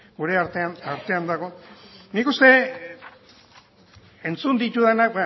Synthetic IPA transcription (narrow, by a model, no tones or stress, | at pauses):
ɡuɾe̞aɾt̪eanaɾt̪e̞and̪aɣ̞o̞nikust̪e̞ | e̞nt͡sund̪it̪uðenaka